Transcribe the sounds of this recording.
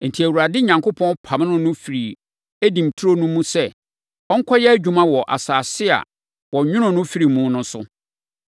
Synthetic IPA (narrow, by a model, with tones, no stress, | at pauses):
n̩˨tʰi˨æ˨wuɾa˨dɪ˦ɲã˨ŋkʰo˦pʰɔ̃˦npʰã˨m˦nʊ̃˦nʊ̃˦fi˨ɾi˨ | æ˦dĩ˨m˨tʰu˦ɾo˦nũ˦mũ˦sɛ˦ | ɔ˦ŋ̩˦kʰɔ˦jɛ˦æ˦d͡ʑᶣu˨mã˦wɔ˨ʔa̰˨saː˨sɪ˦a̰˨ | wɔ˨ɲᶣʊ̃˦ñʊ̃˨nʊ̃˦fi˦ɾi˨mũ˦nʊ̃˦sʊ̰˦